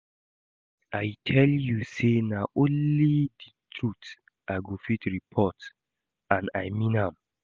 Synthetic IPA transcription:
ajtʰɛljusenaʔõnliditʰɹut | ʔaɡofitɹipʰɔt | ãnajmĩnhãm

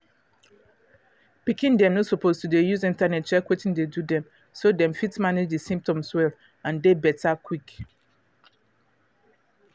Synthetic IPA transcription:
pikĩndɛ̃mnosɔpoztudejuzĩntanɛt̚t͡ʃɛkwetĩndedudɛ̃m | sodɛ̃mfitmaned͡ʒdisĩmp̚tɔ̃mswɛl | ãndebɛtʰakwik

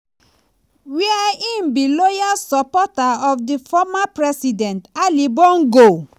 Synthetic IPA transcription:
wiaĩnbilojasɔpɔtaɔfdifɔmapɹɛsidɛ̃ntalibɔ̃ŋɡo

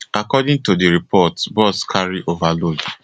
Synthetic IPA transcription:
akɔdĩŋtodiɹipʰɔtbɔskʰaɹiʔovalod

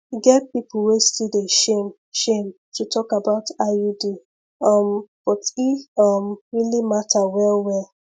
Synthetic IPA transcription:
iɡɛt̚pipl̩westideʃem | ʃẽm | tʰutʰɔkabaʊtaudi | ʌmb̥ɔtiʌmɹilimatʰawɛlwɛl

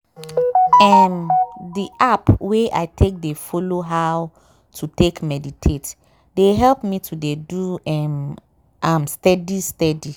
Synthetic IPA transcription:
ɛmdiʔapweʔa̰ɪtʰek̚defɔloɦaw | tʰutekmɛditʰet | deɦɛlpmitʰudeduɛm | amstɛdistɛdi

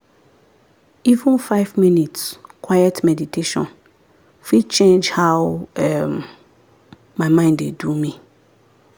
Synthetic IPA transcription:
ivũnfaɪvmĩnitskʰwajɛtmɛditʰeʃɔ̰̃n | fit͡ʃẽnd͡ʒhaʊɛm | mãmãɪ̃ndedumĩ

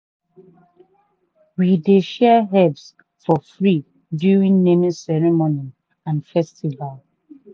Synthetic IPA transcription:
wideʃɛɦɛvs | fɔfɹi | djuɹĩŋnenisɛɹimoni | ãnfɛstival

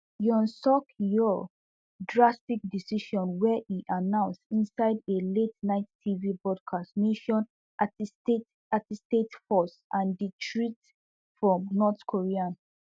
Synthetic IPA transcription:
jɔ̃nsɔkjɔ | dɹastik̚disiʃɔ̃nwɛʔiʔanãʊ̃nstĩnsaɪdeletnaɪtːʰivibɹɔd̚kʰastneʃɔ̃n | attet | atistetfɔsʔãnditʰɹit | fɹɔ̃mnɔtkʰoɹiãn

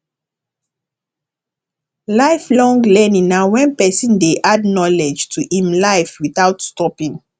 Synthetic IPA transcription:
laɪflɔ̃ŋɡlɛnĩŋnawɛ̃npɛsĩndeʔadnɔlɛd͡ʒtʰuhĩmlaɪfwiθaʊtstɔpĩŋ

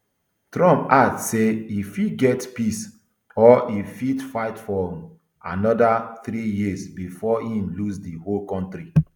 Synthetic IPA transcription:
tɾɔ̃mpadseifidɡɛtpis | ɔifidfaɪtfɔ̃ | anɔdaθɾijizbifɔhĩmluzdiholkɔ̃ntɾi

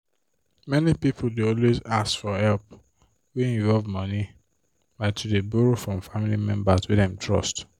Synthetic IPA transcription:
mɛnipipʰodeɔlwezasfɔhɛlp | wiĩɱvɔlvmɔ̃ni | baɪtʰudebuɹofɹɔ̃mfamilimɛ̰̃mbaswidãmtʰɹɔ̰st

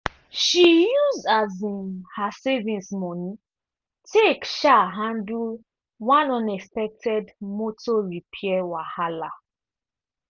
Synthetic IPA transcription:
ʃijuzdazĩmhasɛvĩnsmɔni | tʰekʃaɦãndul | wãnɔ̃nɛkspɛk̚tʰɛdmotɔɹipʰiɛwahala

